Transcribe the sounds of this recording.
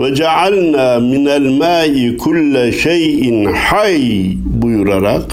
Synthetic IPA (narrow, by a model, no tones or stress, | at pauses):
wad͡ʒaʕalnaːmɪnalmaːʔɪkʰʊlːaʃajʔɪnħaj | bʊjɾɑɾˤɑq